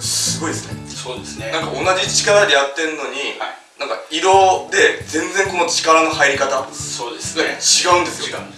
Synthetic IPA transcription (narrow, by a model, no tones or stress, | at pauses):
sɨɡo̞id̪esɨ̥nesoːd̪esnenãŋkao̞naʑit͡ɕi̥kaɾad̪e̞jat̪ːe̞ɾɯno̞ɲ̟i | nãŋka̰iɾo̞d̪e̞d͡zẽ̞nd͡zẽ̞ŋko̞no̞t͡ɕi̥kaɾano̞haiɾʲikat̪asoːd̪esɨeet͡ɕiɡaɯ̃nd̪e̞sɨijokã